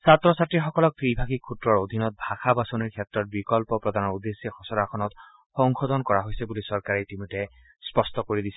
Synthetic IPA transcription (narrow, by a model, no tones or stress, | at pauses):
satɹɔsatɹiɹxɔkɔlɔk̚tɹibʱakikʰutɹɔɹod̪ʱinɔt̚bʱaxabasoniɹkʰɛtɹɔt̚bikɔlpɔpɹɔd̪ʱanɔɹud̪esːjɔxɔsɔɾakʰɔnɔt | xɔŋxɔdɔnkɔɹaɦojsɛbulisɔɹkaɹɛtimutɛ | spɔstɔkoɹidisɛ